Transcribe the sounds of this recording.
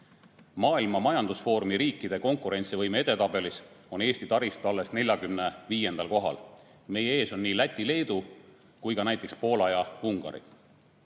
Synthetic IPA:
mɑːilmɑmɑjɑnd̪̥usfo̞ːɾmiɾiːkːˑid̪̥e̞ko̞ŋkˑuɾe̞nʲt̪sivɤjmeed̪e̞t̪ɑb̥e̞lis | o̞ne̞ːsʲt̪it̪ɑɾist̪uɑlːe̞sne̞lʲjɑɡymne̞viːje̞nd̪̥ɑlko̞ɦɑ̰l | me̞jee̞ːsonːiːlæt̪ʲːˑile̞ːd̪̥u | kujkɑnæjt̪ːˑe̞kspo̞ːlɑjɑuŋɡ̥ɑ̰ɾḭ

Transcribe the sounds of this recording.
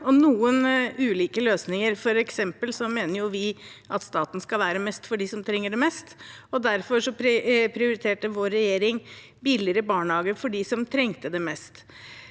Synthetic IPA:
ɔnuːənʉːliːkəløːsnɪŋəɾfɔɾɛksɛmpəlsɔmeːnəɾjʊʋɪʔɑt̪st̪ɑːt̪n̩skɑlʋæːɾəmɛst̪fɔɖɪsɔmt̪ʰɾɛŋːəɖɛmɛst̪ɔd̪æɾfɔʂɔppʰɾɪʊɾɪt̪ʰeːʈəʋoːɾːɛjeːɾɪŋ | bɪlɪəɾəbɑːɳhɑːɡəfɔɖɪsɔmt̪ʰɾɛŋt̪əd̪ɛmɛst̪

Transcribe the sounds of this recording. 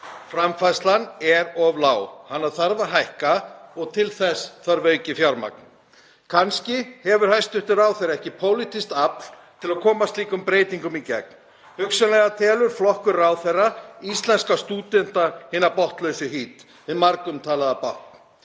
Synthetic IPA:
fɾamfajst̪lanɛɾɔvlaːwhanːaðθaɾðaɦajhkaɔɣt̪ʰɪlθɛsθaɾvœːɥcɪfjaɾma̰k̚n | kʰanscɪhɛvʏɾ̥hajst̪ʏht̪ʏɾaːwθejɾaɛhcɪpʰoːwlit̪ʰist̪apl̥ | t̪ʰɪlaðkʰɔːmast̪liːkʏmpɾeːjt̪iŋkʏmicɛ̰k̚n̥ | hʏksʏnlɛɣat̪ʰɛːlʏɾ̥flɔhkʏɾaːwθejrːaist̪lɛnskast̪uːt̪ɛn̥t̪ahɪːnapɔht̪lœɥsʏɦiːt̪ | ɪmaɾkʏmt̪ʰaːlaðapaht̪̚n̥

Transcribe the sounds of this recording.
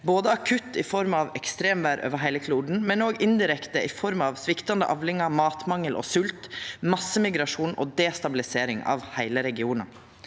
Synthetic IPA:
boːd̪əɑkʰʉt̪ːɪfɔɾmɑʋɛkst̪ɾeːmʋæːɾʔo̰ːʋəɦæɪləkʰluːɖɳ̩mɛnoːɡɪnd̪ɪɾɛkt̪əʔɪfɔɾmɑʋsʋɪkt̪ɑnd̪ə̰ʔɑʋlɪŋɑmɑːt̪mɑŋːəlʔɔ̰sʉlt̪mɑsːəmɪɡɾɑʂuːnɔ̰ːd̪eːst̪ɑbɪlɪseːɾɪŋɑ̰ːʋhæɪləɾɛɡɪuːnɑ

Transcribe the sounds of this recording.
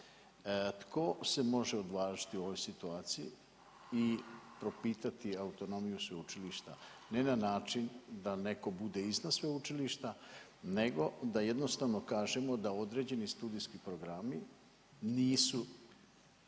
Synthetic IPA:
t̪kʰo̞se̞mo̞ʒeo̞d̪ʋaːʒi̥t̪iuo̞ʋojsit̪uaːt̪sijḭ | ipɾo̞piːt̪at̪iaut̪o̞no̞mijusʋeut͡ʃiliʃt̪ane̞nanaːt͡ʃind̪ane̞ko̞bud̪e̞iznasʋeut͡ʃiliʃt̪a | ne̞ɡo̞d̪aje̞d̪no̞st̪aʋno̞kaːʒemo̞d̪ao̞d̪ɾe̞ːd͡ʑe̞nist̪uːd̪ijskipɾo̞ɡɾami | niːsu

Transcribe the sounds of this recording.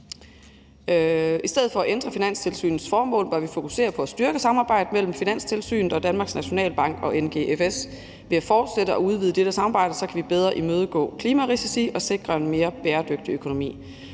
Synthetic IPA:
isd̥eð̞̩ˠfɒ̽æʔend̥ʁɐfinæn̰st͡sʰe̝lsy̰ːnð̩ˠsfɒːmɔ̰̽ːlb̥ɶɐʋifo̝kʰu̥se̝̰ːɐpʰɒ̽æsd̥yɐɡ̥əsɑ̈mɑ̈ːb̥ɑ̈ɪ̰d̥əmel̰m̩finæn̰st͡sʰe̝lsy̰ːnð̩ˠɒ̽d̥ænmɑ̈ːɡ̥snæɕo̝nɛ̰ːlb̥ɑ̈ŋ̰ɡ̥ɒ̽ʔenɡ̥e̝ʔefes | ʋe̝æfɒːd̥seɾ̥əɒ̽uð̞ˠʋiːð̞ˠd̥eɾ̥əsɑ̈mɑ̈ːb̥ɑ̈ɪ̰d̥əsɒ̽kʰæʋib̥eð̞ˠʁɐʔimøːð̞ˠɡ̥ɔ̰̽ːkʰliːmæʁisisiʔɒ̽se̝ɡ̥ʁɐe̝nme̝ːɐb̥eːɐd̥øɡ̥̚d̥iøkʰo̝nomḭː

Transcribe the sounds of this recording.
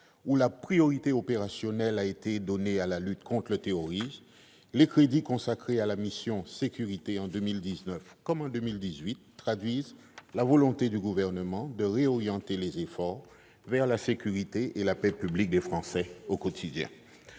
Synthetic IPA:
ulapχijɔʁit̪eopeʁasjɔnɛlaet̪ed̪ɔnealalyt̪kʰɔ̃t̪lət̪eɔʁis | lekχed̪ikɔ̃sakχealamisjɔ̃sekʲyʁit̪eɑ̃d̪ømild̪iznœfkɔmɑ̃d̪ømild̪izɥit̪ːχad̪ɥiz | lavɔlɔ̃t̪ed̪yɡuvɛʁnəmɑ̃d̪əʁeɔʁjɑ̃t̪elezefɔʁ | vɛʁlasekʲyʁit̪eʔelapɛpyblik̚d̪efχɑ̃sɛokot̪ʰid̪jɛ̰̃

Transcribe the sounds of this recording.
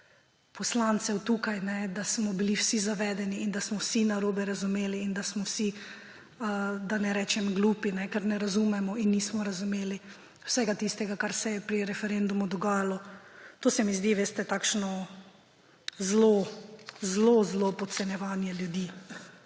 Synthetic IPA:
pɔslant̪sɛwt̪uːkajnɛd̪asmɔbiliwsizaʋɛːd̪ɛniːnd̪asmɔwsinaɾoːbɛɾazumeːliːnd̪asmɔwsi | əd̪anɛɾɛːt͡ʃɛmɡluːpinɛkɛɾnɛɾazumɛmɔinːiːsmɔɾazumeːli | wsɛɡat̪ist̪ɛɡakaɾsɛjɛpɾiɾɛfɛɾend̪umud̪ɔɡaːjalɔt̪oːsɛmizd̪iʋeːst̪ɛt̪aːkʃnɔ | zlo | zlozlopɔt̪sɛnjɛʋaːnjɛljud̪iː

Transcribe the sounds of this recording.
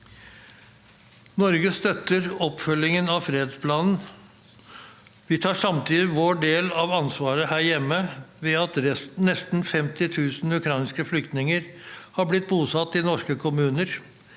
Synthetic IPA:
nɔɾɡəst̪œt̪ːəɾɔpfœlːɪŋənɑʋfɾeːd̪spʰlɑːnn̩ | ʋɪt̪ʰɑːʂɑmt̪ʰiːd̪ɪʋoːɖeːlɑʋɑnsʋɑːɾəhæːɾjɛmːəʋɛɑt̪ɾɛnɛst̪n̩fɛmt̪ɪt̪ʰʉːsn̩ʉkʰɾɑɪnskəflʏkt̪nɪŋəɾhɑblɪt̪̚buːsɑt̪ːɪnɔʂkəkʰʊmʉːnəɾ

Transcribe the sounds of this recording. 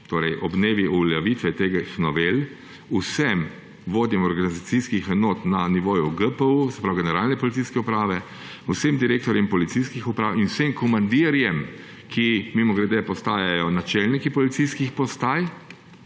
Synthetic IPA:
t̪oːɾɛjʔɔbneːʋiʔulaʋit̪ʋɛt̪eɡaxnɔʋel | usɛm | ʋoːd̪jɛmɔɾɡanizat̪siskixɛnoːt̪naniʋoːjuɡəpəusɛ̥pɾawɡɛnɛɾaːlnɛpɔlit̪siːskɛupɾaːʋɛ | usemd̪iɾeːkt̪ɔɾjɛmpɔlit̪siskixupɾaːwinwsemkɔmand̪iːɾjɛm | kʰimimɔɡɾɛd̪ɛpɔst̪aːjajɔnat͡ʃɛlnikipɔlit̪siskixpɔst̪aːj

